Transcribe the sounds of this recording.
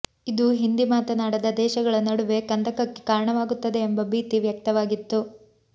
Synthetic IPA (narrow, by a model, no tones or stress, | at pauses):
id̪uɦind̪imaːt̪ɐnaːɽɐd̪ɐd̪ɛːʃɐɡɐɭɐnɐɽuʋe̞kɐnd̪ɐkɐkːe̥kaːɾɐɳɐʋaːɡut̪ːɐd̪e̞ːmbɐbiːt̪iʋjɐk̚t̪ɐʋaːɡit̪ːu